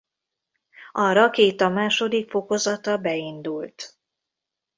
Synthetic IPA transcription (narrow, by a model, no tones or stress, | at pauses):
ɒrɒkeːt̪ɒmaːʃo̞d̪ikfo̞ko̞zɒt̪ɒbɛind̪ult̪